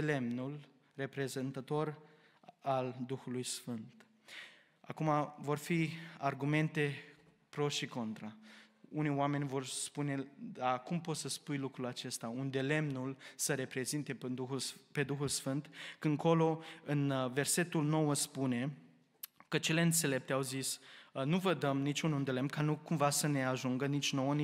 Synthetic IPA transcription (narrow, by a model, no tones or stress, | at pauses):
ele̞mnul | re̞pɾe̞zent̪ət̪o̞ɾ | ald̪uxulujsfɨnt̪ | a̰kumavo̞rfiarɡume̞nt̪e̞ | pɾo̞ʃiko̞nt̪ɾaunioame̞nʲvo̞rspune̞d̪akumpo̞t̪səspujlukɾulat͡ʃe̞st̪aund̪e̞le̞mnulsəɾe̞pɾe̞zint̪e̞d̪uxulpe̞d̪uxulsfɨnt̪kɨŋko̞lo̞ɨnve̞rse̞t̪ulno̞wəspune̞ | kət͡ʃe̞le̞ɨnt̪se̞le̞p̚t̪e̞awzisnuvəd̪əmnit͡ʃunund̪e̞le̞mnkanukumvasəne̞aʒuŋɡənit͡ʃʲnowəni